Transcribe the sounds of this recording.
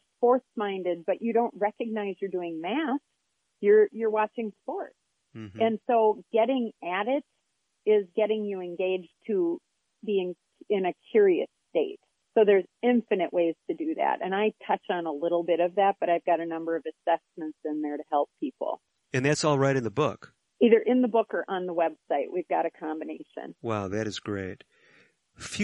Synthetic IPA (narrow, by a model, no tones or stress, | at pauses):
spɔɹsmãɪ̃ndɨd̚bʌt͡ʃɨɾõʊ̃nʔ̚ɹɛkɨɡ̚naɪzjə˞dʉɪ̃ŋmæs | jə˞jə˞wɑt͡ʃɪ̃ŋspɔɹts | ɨ̃nsoʊɡ̥ɛɾɪ̃ŋæɾɪɾ | ɪzɡɛɾɪ̃ŋjɨɨ̃nɡeɪd͡ʒtʰɨ | biɪ̃ŋ | ɪ̃nɨkʰj̥ʊɹiɨ̰steɪt̚ | soʊðə˞zɪ̃ɱfɨnɨʔweɪz̥tʰɨdɨðæ̰ɾɨ̰̃naɪtʰʌt͡ʃn̩əlɪɾl̩ˠbɪɾʌvðæt̚b̥ʌɾaɪvɡɑɾɨnʌ̃mbə˞ʌvɨsɛsmɨ̃ntsɨ̃nðə˞ɾɨhɛlˠpʰipl̩ˠ | ɨ̃nðætsɔlˠɹaɪɾɨ̃nðəbʊ̰k | iðə˞ʔɨ̃nðəbʊkə˞ʔə̃nðəwɛb̥saɪʔ̚wivɡɑɾɨkʰɑ̃mbɨneɪʃɨ̰̃nwaʊðɨɾɨzɡɹeɪt̚ | fj